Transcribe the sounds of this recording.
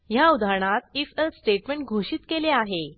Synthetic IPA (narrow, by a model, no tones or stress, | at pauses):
jaud̪aɾɳat̪ifəsʈeʈmə̃ɳʈ̚ɡʱoɕiːt̪keleaɦe